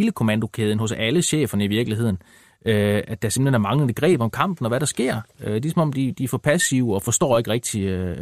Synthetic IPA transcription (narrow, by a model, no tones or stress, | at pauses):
ləkʰo̝mænd̥o̝kʰeːð̞ˠən̩ɦɔ̽sæləɕḛːfɐnəiʋiɐɡ̥liɦe̝ð̞̰ˠn̩ | øæd̥ɑse̝m̥lenæɐmɑ̈ŋləð̩ˠeɡ̥ʁɛ̰ːb̥ɒ̽mkʰɑ̈m̰b̥n̩ɒ̽ʋæɾɑ̈sɡ̥e̝ɐ̰ød̥esɒ̽mɒ̽md̥id̥ifɒpʰæsiʊɒ̽fɒ̽sd̥ɒ̰ːe̝ɡ̥ʁɛɡ̥̚d̥iø